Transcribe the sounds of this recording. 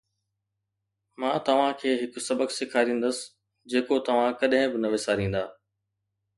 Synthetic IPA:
mãːt̪ɐʋ̤ãkʰeːɦɪkʊ̆sɐbəksɪkʰaːɾĩːn̆d̪əsɪ̥ | d͡ʑeːkot̪ɐʋ̤ãkɐɗɦɪ̃bɪnɐʋesaːɾĩːn̆d̪aː

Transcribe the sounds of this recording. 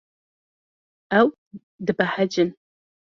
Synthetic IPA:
aw | dɨbaħad͡ʒɪn

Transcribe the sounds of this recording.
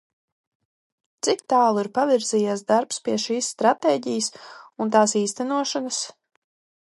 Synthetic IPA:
t̪sik̚t̪aːlˠuiɾpaviɾzijasd̪aɾpspʲiɛʃiːsːt̪ɾat̪eːɟijəsunt̪aːsiːst̪ænuɔʃanas

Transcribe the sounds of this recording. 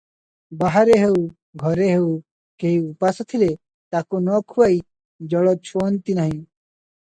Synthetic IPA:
baɦaɾeɦeu | ɡʱɔɾeɦeu | keiupɐst̪ʰile | t̪akonɔkʰuai | d͡ʒɔɽɔt͡ʃʰont̪inaɦĩ

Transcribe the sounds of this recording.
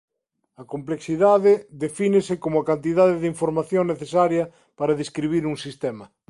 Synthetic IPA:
ɐkompleksiðaðɪðefinɪsɪkomʊakant̪iðaðɪðiɱfoɾmaθjoŋneθesaɾjɐ | paɾɐðeskɾiβiɾuŋsist̪ɛmɐ

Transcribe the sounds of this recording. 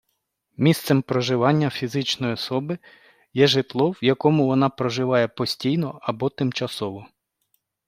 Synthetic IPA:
mʲist̪sɛmpɾɔʒɪʋɑnʲːɐfʲizɪt͡ʃnɔjiɔsɔbɪ | jɛʒɪt̪lˠɔwjɐkɔmʊʋɔnɑpɾɔʒɪʋɑjɛpɔsʲtʲijnɔɐbɔt̪ɪmt͡ʃɐsɔʋɔ

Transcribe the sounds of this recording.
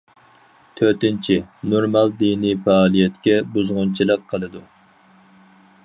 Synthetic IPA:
t̪ʰøɾt̪ɪnt͡ʃʰinoɾmɑlˠd̪inifɛɑːlˠijɛt̪kʲɛbuzʁʊnt͡ʃʰilˠəqqʰːəlˠɨd̪u

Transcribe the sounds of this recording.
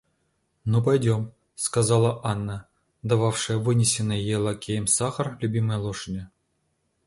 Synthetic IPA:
nupajdʲom | skɑzɑlˠɑʔɑnːə | d̪ɑvɑfʂɨvɨnʲesʲenə̆jelˠɑkʲejmʲsɑχɤrlʲubʲiməlˠoʂnʲɘ̆

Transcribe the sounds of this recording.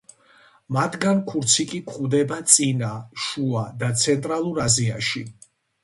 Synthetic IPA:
mat̪ʰɡankʰuɾt̪sʰikʼikʰχuvd̪ɛbat̪sʼinaʃuad̪at̪sʰɛnt̪ʼɾalˠuɾazia̰ʃi

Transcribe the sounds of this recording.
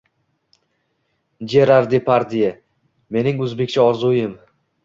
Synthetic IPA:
d͡ʒeɾaɾd̪epʰaɾd̪ija | me̞nɪŋɵzbe̞kʲt͡ʃʰaɒɾzujɪm

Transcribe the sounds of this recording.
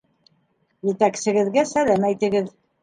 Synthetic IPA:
jɘ̆t̪æksɘ̆ɡɘ̆ðɡæsælæmæjt̪ɘ̆ɡɘð

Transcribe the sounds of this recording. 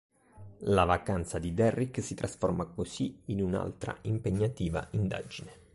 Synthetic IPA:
lavakant̪sad̪id̪ɛrːiksit̪ɾʔasformakosiinuna̰lt̪ɾa̰impeɲːat̪iːva̰ʔind̪a̰d͡ʒine

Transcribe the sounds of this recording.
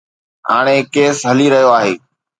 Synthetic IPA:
ɦa̰ːɽ̃ekeːsɦəliɾɐɦijoaːɦeː

